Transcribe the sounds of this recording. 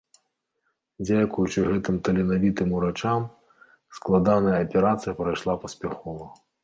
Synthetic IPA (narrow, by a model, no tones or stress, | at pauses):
d͡zʲakujut͡ʂɨɣɛt̪ɨmt̪ɐlʲɛnavʲit̪ɨmuɾat͡ʂam | sklˠad̪anɐjɐɐpʲɛɾat̪sɨjɐpɾajʂlˠapɐsʲpʲaxɔvɐ